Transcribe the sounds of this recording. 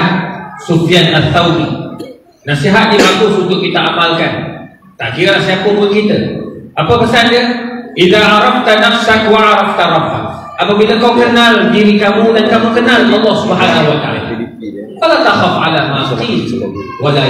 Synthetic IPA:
sofianʔaθːawdi | nasiɦat̪̚dimaɡʊsunt̪ʊʔkːit̪əʔamalkan | t̪a̰ʔkiɾəlahsiakʊmukit̪əʔapəpəsand͡ʒəʔiðaʕɑɾˤɑb̚t̪anaksakwaʕɑɾˤɑf̚t̪aɾˤɑbːa̰k | ʔapabiləkawkənaldiɾikamudankamukənalɑlˠˤːɑhsubɦaːnaɦuwat̪a̰a̰la̰ | falat̪axafʕa̰lamaʔt̪iwala

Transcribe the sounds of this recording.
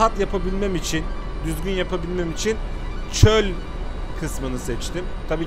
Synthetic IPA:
at̪japʰabilʲmɛmit͡ʃʰin | d̪yzɟynjapʰabilʲmɛmit͡ʃʰin | t͡ʃʰølʲ | kʰɯsmɯnɯsɛt͡ʃt̪ʰim | t̪ʰabiː

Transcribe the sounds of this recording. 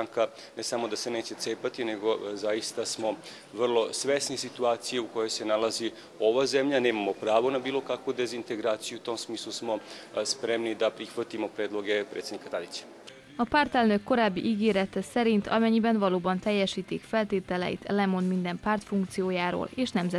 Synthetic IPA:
aŋka | nesamod̪aseneːt͡ɕe̞t̪seːpat̪ineɡo̞zajist̪asmo̞ | ʋr̩lˠo̞sʋesnisit̪uaːt̪sijeuko̞jo̞jsenalazi | o̞ʋazɛmʎaneːmamo̞pɾaːʋo̞nabiːlo̞kakʋud̪ezint̪eɡɾaːt̪sijuut̪o̞msmiːslˠusmo̞ | spɾemnid̪apɾixʋat̪imo̞pɾeːd̪lo̞ɡe̞pɾḛt̪sed̪nikat̪ad̪it͡ɕḁ | ɒpart̪ɛlnøkːo̞ɾaːbːḭʔiɡeːɾɛt̪ɛsɛɾint̪ʰɒ̰mɛɲːibɛnʋɒloːbɒnt̪ɛjːɛʃiːt̪ikfɛlt̪eːt̪ɛlɛ̰jḭt̪ɛlɛmonmind̪ɛmpaːrt̪fuŋk̚t̪sijoːjaːɾo̰ːleːʃnɛmzɛ

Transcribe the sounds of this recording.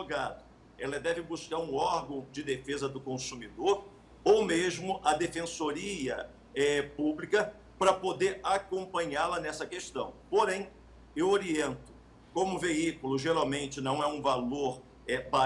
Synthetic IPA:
oɡad̪ʊ | ɛlɐd̪ɛvɪbuskaɾũɔɾɡɐ̃w̃d͡ʒɪd̪efezɐd̪ʊkõsumid̪oɾ | owmeʒmʊʔɐd̪efẽsoɾiɐ̰ | ɛpublikɐ | pɾɐpod̪eɾakõmpɐ̃ɲalɐnɛsɐkest̪ɐ̃w̃poɾẽj̃ | ewoɾiẽnt̪ʊ̥ | kõmʊveikulʊʒeɾawmẽnt͡ʃɪnɐ̃w̃ɛũvaloɾ | ɛba

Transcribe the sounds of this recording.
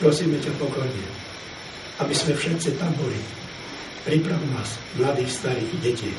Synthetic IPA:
pɾɔsiːmɛcapɔkɔɾɲɛ | abizmɛfʃɛt̪t͡sit̪ambɔli | pɾipɾaʋumaːs | mlad̪iːxst̪aɾiːɣɟɛcḭː

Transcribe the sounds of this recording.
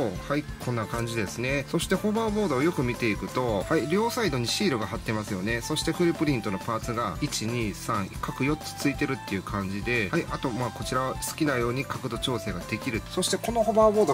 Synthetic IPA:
ohaikʰõ̞nːakãɲ̟d͡ʑid̪e̞sɨne̞so̞ɕi̥t̪e̞ho̞babo̞ːd̪o̞ːjo̞kɯ̟mʲit̪e̞ikɯ̟t̪o̞haiɾʲo̞ːsaid̪o̞ɲ̟iɕiːɾɯ̟ɡahat̪ːe̞masɨjo̞ne̞so̞ɕi̥t̪e̞ɸɯ̟ɾʲipɯ̟ɾʲĩnt̪o̞no̞paːt͡sɨɡait͡ɕiɲ̟iːsãɰ̃ikakɯ̟jo̞t͡sɨ̥t͡sɨit̪e̞ɾɯ̟t̪ːe̞jɯ̟kʰãɲ̟d͡ʑid̪e̞haiat̪o̞maːko̞t͡ɕiɾaβasɨ̥kʲinajo̞ːɲ̟ikakɯ̟d̪o̞t͡ɕo̞ːse̞ːɡad̪e̞kʲiɾɯ̟so̞ɕi̥t̪e̞ko̞no̞hbaːbo̞ːd̪o

